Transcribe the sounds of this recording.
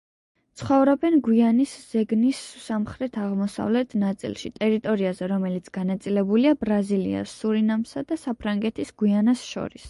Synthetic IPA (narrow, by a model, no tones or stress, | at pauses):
t̪sʰχɔvɾɔbɛnɡwianisz̥ɛɡnisːamχɾɛt̪ʰaʁmɔsa̰vlɛt̪ʰnat̪sʼḭlˠʃḭt̪ʼɛɾit̪ʼɔɾiazɛɾɔmɛlit̪sʰɡ̥anat̪sʼilɛbuliabɾazilḭa̰sːuɾinamsad̪asapʰɾaŋɡɛt̪ʰisɡ̥wianasʃɔ̰ɾis